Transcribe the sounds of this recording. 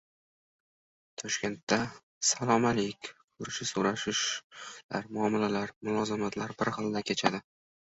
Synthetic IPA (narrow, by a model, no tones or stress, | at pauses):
t̪ʰɒʃkʲe̞nt̪ʰːa | salˠɒmalekʲkʰʊɾɪʃɪsoɾaʃɪʃlaɾmʊɒmɪlalaɾmʊlˠɒzɪmat̪laɾbɪɾχɨlˠd̪akʲʰe̞t͡ʃʰad̪ɪ